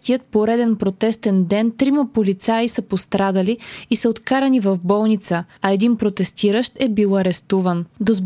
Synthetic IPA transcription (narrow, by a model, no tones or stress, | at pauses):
t̪ijət̪̚poɾɛd̪ɛnpɾot̪ɛst̪ɛnd̪ɛnt̪ɾiməpolit̪saisəpost̪ɾad̪əliisəot̪kaɾɐnivɐvbɔlˠnit̪səɐɛd̪inpɾot̪ɛst̪iɾəʃt̪ɛbilˠɐɾɛst̪uvənd̪ozb